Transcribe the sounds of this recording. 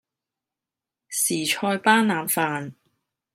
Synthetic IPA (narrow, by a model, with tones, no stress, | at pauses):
siː˨˩t͡ʃʰɔː˧jpaː˥nnaː˨˥nfaː˧n